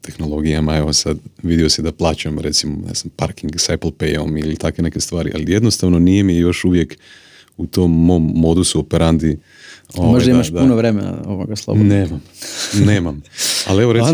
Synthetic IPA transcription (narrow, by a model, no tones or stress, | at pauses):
t̪ʰe̞xno̞lˠo̞ɡijamae̞ʋosad̪ʋid̪iosid̪aplˠaːt͡ɕamɾe̞t̪simona̰zampaɾkiŋɡseplˠpḛjo̞̰milit̪akʋe̞ne̞ke̞st̪ʋaːɾḭʔa̰lije̞d̪nost̪aʋno̞nijemijejo̞ʃuʋje̞k | ut̪omːoːmːo̞d̪usuopeɾand̪i | omoʒd̪aimaʃd̪aunoʋɾemḛna̰oʋoɡaslˠo̰bneːmamneːmama̰lieʋo̞ɾei